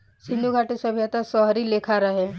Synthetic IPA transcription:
sɪ̃nd̪uɡʱaːʈisəbʱjat̪asɔɦɾilekʰaɾɐɦe

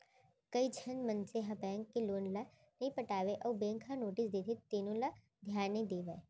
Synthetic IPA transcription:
kɐid͡ʒʰɐnmɐ̃nt͡ʃeɦɐbɛːŋkːeloːnla | nɐĩpɐʈaːʋeʔɐːbẽːŋkʰanoːʈɪsd̪eːt̪ʰit̪ːeːnõla | d̪ʱjaːnːĩd̪eːʋe

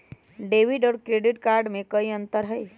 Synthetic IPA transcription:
ɖeːʋiɖɔːɾkɾeɖɪʈkaːɾɖmẽkəiə̃nt̪əɾɦəj

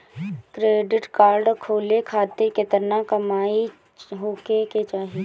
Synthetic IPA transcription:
kɾeːɖɪʈkaːɾɖkʰoːlekʰaːt̪eket̪əɾnakɐmaːi | ɦoːkeket͡ʃaːɦi

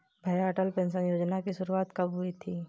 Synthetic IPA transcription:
bʱaːjaːʈəlpẽːnsənjoːd͡ʒnakiʃʊɾuaːt̪kɐbɦʊit̪ʰiː

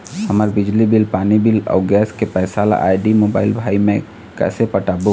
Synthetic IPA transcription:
hɐmaːɾbɪd͡ʒlibɪlpaːnibɪlɔ̰ʊɡɛːskepɛːsaːla̰ʔa̰ːɪɖimoːba̰ːɪlbʱaːimẽ | kɛ̰ːsepɐʈaːbo

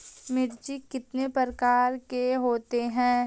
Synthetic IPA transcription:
mɪɾd͡ʒikɪt̪nepəɾkaːɾkeɦoːt̪eɦɛ̃ː

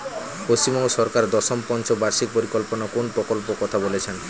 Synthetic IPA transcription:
poʃt͡ɕimɔŋɡoʃɔɾkaɾd̪ɔʃompɔnt͡ɕobaɾʃik̚poɾikolponakonpɾokolpokɔt̪ʰabolet͡ɕʰen

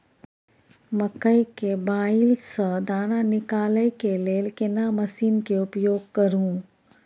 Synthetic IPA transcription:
mɐkəikebaːɪlsəd̪aːnanɪkaːləjkeleːlkɪnamɐsiːnkeʊpjoːɡ̚kɐɾũː

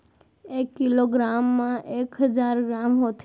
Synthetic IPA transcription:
ekːiloɡɾamːãʔekɦəd͡ʒaɾɡɾamɦot̪ʰ

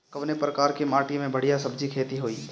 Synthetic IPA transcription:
kɐʋnepɾɐkaːɾkemaːʈimẽbɐɽ̤ijasɐbd͡ʒikʰeːt̪iɦoːiː

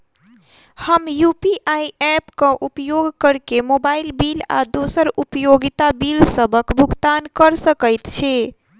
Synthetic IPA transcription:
həmjupiʔajɛpkə̃ʔupjoɡkəɾkemobailbila̰d̪osəɾupəjoɡit̪abilsəbʱəkbʱuɡt̪ankəɾsəkəjt̪t͡ʃʰi

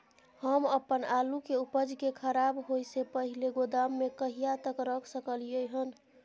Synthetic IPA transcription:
həməpənalukeupəd͡ʒkekʰəɾabɦojsepəɦileɡod̪amːekəɦijat̪əkɾəkʰsəkəlijəjɦən

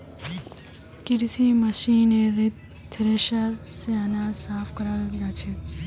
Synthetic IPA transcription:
kɪɾsimɐsiːneɾɪt̪̚ | t̪ʰɾeʃaɾseɐnaːsaːfkɐɾalɡaːt͡ʃʰe

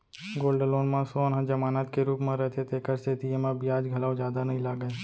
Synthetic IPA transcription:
ɡoːlɖəloːnmãsoənɦãd͡ʒɐmaːnaːt̪keɾuːpmẽɾɐɦet̪ʰet̪ʰekɐɾset̪ʰijemãbʱiaːd͡ʒɡʱɐlaːwd͡ʒjaːd̪anɐɦĩlaːɡəe

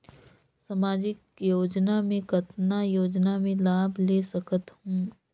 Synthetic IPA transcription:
sɐmaːd͡ʒɪk | joːd͡ʒnamẽkɐt̪najoːd͡ʒnamẽlaːbleːsɐkət̪ɦũː

